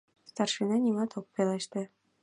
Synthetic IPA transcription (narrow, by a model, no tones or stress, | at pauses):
st̪ɑrʃinɑnʲimɑt̪ʰok̚pelɑʃt̪ĕ